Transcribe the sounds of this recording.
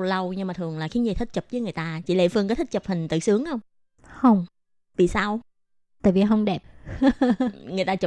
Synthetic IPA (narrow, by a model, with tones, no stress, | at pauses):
lə˧wɲɨ˧ŋmaː˨˩t̪ʰɨ˨˩əŋlaː˨˩xi˧˦ɲi˨˧˩t̪ʰi˦˥t̚t͡ɕə˨˩p̚zəː˨˦ŋ˨˩əjt̪aː˧t͡ɕḭ˧˩lḛ˧˥fɨ˧ŋkɔː˨˦t̪ʰï˦˥t̚t͡ɕə˨˩p̚hï˨˩ŋ̟t̪ɨ̰˧˨˩sɨ˨˦əŋxə˧wŋ͡m | hə˧wŋ͡m | vḭ˧˨saː˧w | t̪a̰ː˧˨jvi˨˩ɦə˧wŋ͡mɗɛ˨˩p̚ | ŋɨ˨˩əjt̪aː˧t͡ɕə˨˩